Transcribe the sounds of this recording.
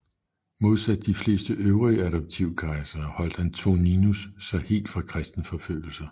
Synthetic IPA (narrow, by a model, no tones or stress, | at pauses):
mo̝ð̞ˠsæd̥ə̥ːifle̝̰ːsd̥əʔøʊʁiəæɾɒ̽b̥̚t͡sʰiʊ̰kʰɑ̈ɪsɐhɒ̽l̰d̥ænt͡sʰo̝ninusːɑ̈ɪhe̝̰ːld̥fʁɑ̈kʰʁɛsd̥n̩fɒ̽fø̰ːl̩sɐ